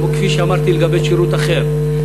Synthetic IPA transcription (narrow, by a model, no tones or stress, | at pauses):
ɔkʰfiʃamaɾt̪ʰilɡabɛt͡ʃʰiɾut̪ʼaχɛɾ